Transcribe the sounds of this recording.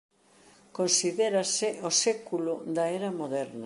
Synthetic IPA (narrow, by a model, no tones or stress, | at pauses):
konsiðeɾɐsɪosekulʊðɐeɾɐmoðɛɾnɐ